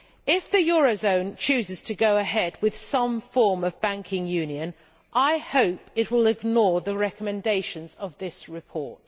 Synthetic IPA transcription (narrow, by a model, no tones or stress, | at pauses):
ɪfðɨjɔɹəʊzə̃ʊ̃nt͡ʃʰʉːzɨz̥tʰɨɡoʊəɦɛd̚wɪð̥sʌ̃ɱfɔɹmʌvbæ̃ŋkʰɪ̃ŋjʉ̃njɨ̃n | ʔaɪhoʊpɪt̚wɪlˠɪɡnɔɹðəɹɛkəmɨ̃ndeɪʃɨ̃nzəvðɪsɹɨpʰɔɹt̚